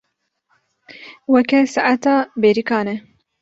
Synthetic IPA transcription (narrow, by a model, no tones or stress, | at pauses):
wɛkɛsaʔat̪ɑːbeːɾikɑːnɛ